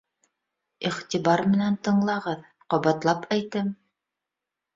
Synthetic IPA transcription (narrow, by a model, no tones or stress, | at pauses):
iχt̪ʲibɑɾmɘ̆nænt̪ɤ̆ɴlˠɑʁɤð | qɒβɑt̪lˠɑpʰæjt̪ɘm